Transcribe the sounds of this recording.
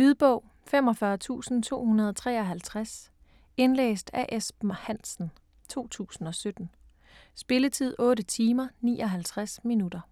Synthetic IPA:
ʋiðˠb̥ɔʊ̰ | fem̰ɒ̽fɶɐt͡sʰṵːsn̩t͡sʰo̝̰ːhunɐð̞ˠɒt͡sʰʁɛ̰ːɒɦælt͡sʰʁas | e̝nlḛːsd̥æʔesb̥m̩hæn̰sn̩ | t͡sʰo̝̰ːt͡sʰṵːsn̩ɒ̽sød̥n̩ | sb̥e̝lət͡sʰið̞̰ˠɔ̽ːɾət͡sʰiːmɐnḭːɒ̽ɦælt͡sʰʁasminud̥ɐ

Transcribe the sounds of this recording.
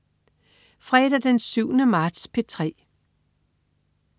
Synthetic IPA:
fʁɛːd̥æd̥ensyʊnəmɑ̈ːd̥spʰe̝t͡sʰʁɛ̰ː

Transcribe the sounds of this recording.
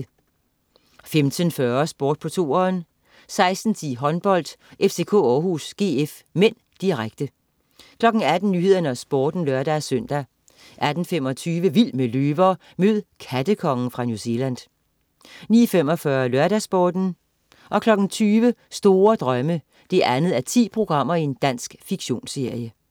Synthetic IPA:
femt͡sʰənfɶɐsb̥oːd̥̚pʰɒ̽t͡sʰo̝̰ːɐn | sɑ̈ɪsd̥n̩t͡sʰḭːɦɒ̽nb̥ɒ̽l̰d̥ʔefse̝ːkʰo̰ːɒːhusɡ̥e̝̰ːef | men̰ | d̥iʁaɡ̥̚d̥ə | kʰlɒ̽ɡ̥n̩æd̥n̩nːyːhe̝ð̞̰ˠɐnəæsb̥oːd̥n̩lɶɐd̥æsøn̰d̥æ | ʔæd̥n̩fem̰ɒ̽t͡sʰyːʋəʋil̰meløːʋɐ | møð̩ˠkʰæd̥əkʰɒ̽ŋn̩fʁɑ̈njuse̝læn̰ | nḭːɐfem̰ɒ̽fɶɐlɶɐɾæsb̥ɒːd̥n̩ | ʔɒ̽kʰlɒ̽ɡ̥n̩t͡sʰyːʋəsd̥o̝ːɐd̥ʁɶmə | d̥e̝ʔænð̞̩ˠæɐt͡sʰḭːpʰʁo̝ɡ̥ʁɑ̈m̰ɐie̝nd̥æn̰sɡ̥fiɡ̥ɕo̝̰ːnse̝ɐjə

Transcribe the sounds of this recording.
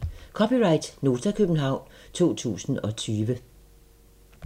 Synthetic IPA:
kʰɒ̽piʁɑ̈ɪd̥no̝ːt͡sʰɐkʰøb̥n̩ɦɑ̈ʊ̰nt͡sʰo̝̰ːt͡sʰṵːsn̩ɒ̽t͡sʰyːʋə

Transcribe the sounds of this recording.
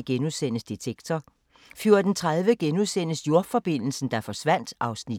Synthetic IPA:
ɡ̥enuðˠsen̰əsd̥it͡sʰeɡ̥̚t͡sʰɒ | fjoɐd̥ent͡sʰʁaðˠʋəɡ̥enuðˠsen̰əsjo̝ɐ̥fɒ̽b̥e̝n̰l̩sn̩d̥ɑ̈fɒ̽sʋæn̰d̥ʔɑ̈ʊsni

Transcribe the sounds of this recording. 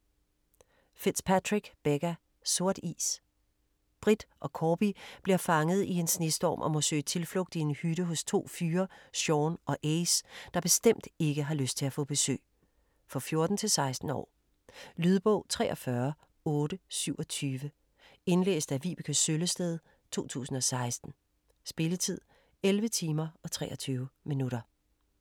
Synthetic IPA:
fed̥spʰæt͡sʰʁiɡ̥b̥eɡ̥æ | so̝ɐ̰d̥ḭːs | b̥ʁid̥ʔɒ̽kʰɒːb̥ib̥liɐfɑ̈ŋəð̞̩ˠie̝nsne̝sd̥ɒ̰ːmʔɒ̽mɔ̽sø̰ːt͡sʰe̝lflɔ̽ɡ̥̚d̥ie̝nhyɾəɦɔ̽st͡sʰo̝̰ːfyːɐɕɒːnɒ̽ʔeɪsd̥ɑ̈b̥e̝sd̥em̰d̥e̝ɡ̥əɦɑ̈løsd̥̚t͡sʰe̝læfɔ̰ːb̥e̝sø̰ː | fɒ̽fjo̝ɐd̥n̩t͡sʰe̝lsɑ̈ɪsd̥n̩ɒ̰ː | lyð̞ˠb̥ɔʊ̰t͡sʰʁɛ̰ːɒ̽fɶɐ | ɔ̽ːɾ̥əsyʊ̰ɒ̽t͡sʰyːʋə | e̝nlḛːsd̥æʋḭːb̥ikʰøsøləsd̥eð̞ˠ | t͡sʰo̝̰ːt͡sʰṵːsn̩ɒ̽sɑ̈ɪsd̥n̩ | sb̥e̝lət͡sʰið̞̰ˠ | elʋət͡sʰiːmɐɒ̽t͡sʰʁɛ̰ːɒt͡sʰyːʊminuɾɐ

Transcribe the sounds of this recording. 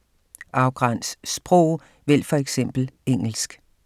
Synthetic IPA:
ʔɑ̈ʊɡ̥ʁɑn̰ssb̥ʁɔʊ̰ | ʋel̰fɒ̽eɡ̥sem̰b̥l̩eŋ̰l̩sɡ̥

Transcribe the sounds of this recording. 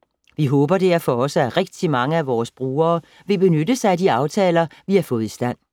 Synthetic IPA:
ʋiɦɔ̽ːb̥ɐd̥eɐ̰fɒ̽ɒ̽səæʁeɡ̥̚d̥imɑ̈ŋəæʋɒːsb̥ʁuːɐː | ʋe̝b̥e̝nødəsɑɪæd̥iɑ̈ʊt͡sʰɛːlɐʋihɑ̈fɔ̽ːð̞̩ˠisd̥æn̰

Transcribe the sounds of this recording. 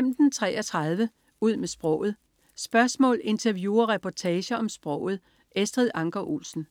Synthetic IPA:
em̰d̥n̩t͡sʰʁɛ̰ːɒt͡sʰʁɑ̈ð̞ˠʋə | uð̞̰ˠmesb̥ʁɔ̽ʊ̰ð̞̩ˠ | sb̥ɶɐsmɔ̰ːle̝nt͡sʰɐʋjuːɐʁɛpʰɒt͡sʰɛːɕɐɒ̽msb̥ʁɔ̽ʊ̰ð̞̩ˠ | esd̥ʁiðˠɑ̈ŋɡ̥ɐʔulsn̩

